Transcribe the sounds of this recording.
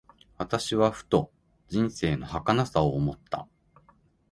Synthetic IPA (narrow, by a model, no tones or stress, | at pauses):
βat̪aɕiβaɸɯ̟̥t̪o̞ | d͡ʑĩɰ̃se̞ːno̞hakanasaoːmot̪ːa̰